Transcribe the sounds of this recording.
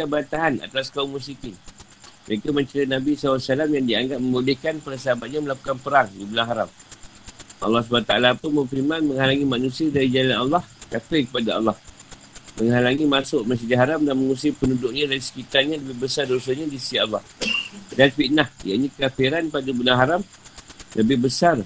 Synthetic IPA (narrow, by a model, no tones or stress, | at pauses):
it̪abəɾant̪aɦana̰t̪askaʊŋmus̬ikɪn | məɾekamə̃ɲt͡ʃəɾinabisalasəlamjaŋdiaŋɡap̚mə̃mulɪhkanpəɾasəɦabat̪̚ɲaməlaku̥kanpəɾaŋdibulaŋɦaɾam | ʔɑ̰lːɑhs̬bant̪aalapuməmfimanmə̃ŋɦalaŋimanũsiadaɾid͡ʒalanɑlːɑhkatakəpadaɑ̰lːɑh | məŋɦalaŋimasʊʔmas̬əd͡ʒaɦaɾamdanməŋusiipənudʊʔ̚ɲadaɾisə̥kit̪arɲaləbɪhbəsardosaɲadisiɑlːɑhdanfiʔnahja̰ʔɲĩkafiɾanpadabəlaŋɦaɾam | ləbɪhbəsar